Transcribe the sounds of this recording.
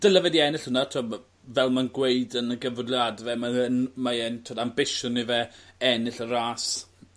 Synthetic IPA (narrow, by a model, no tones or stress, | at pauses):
d̥əlavɛdiɛnɪɬhʊnatʰo | vɛlˠmanɡwejdənəɡəvʊdljadvɛmaənmaɛntʰoːdambɪʃʊnivɛɛnɪɬəɾaːs